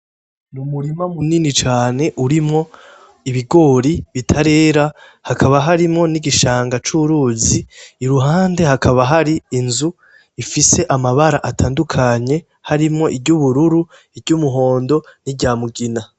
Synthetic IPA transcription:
numuɾimamuninit͡ʃaːne̞ʔuɾimŋo̞ | iβiɡo̞ːɾiβitʰaɾe̞ːɾa | hakʰaβaɦaɾimŋo̞niɡiʃaːŋɡat͡ʃuɾuziːɾuɦaːnde̞hakʰaβaɦaɾiːnzu | ifise̞ʔamaβaɾaʔatʰaːndukʰaɲe̞ | haɾimŋo̞ʔibɟuβuɾuɾu | ibɟuːmuɦo̞ːndo̞nibɟaːmuɡina

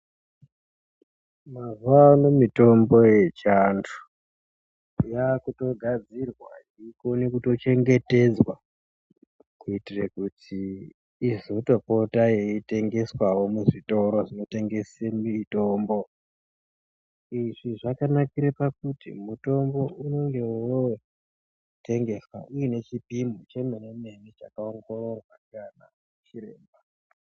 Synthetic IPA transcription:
mazanomito̞mbo̞je̞t͡ʃantʰu̥ | jakuto̞ɡʱad͡zirwa̰ | iko̞ne̞kuto̞t͡ʃe̞ŋɡe̞te̞d͡zwa | kuitirekutʰiː | zoto̞po̞tajeite̞ŋɡe̞swawo̞muʐito̞ɾo̞ʐino̞te̞ŋɡe̞semito̞mbo̞ | iʐiʐakanakiɾepakutḭmuto̞mbo̞ʔuno̞ŋɡe̞ | te̞ŋɡe̞swa̰uine̞t͡ʃipimot͡ʃe̞menemenit͡ʃakaoŋɡo̞ro̞rwakana | et͡ʃiɾe̞̰ːmba

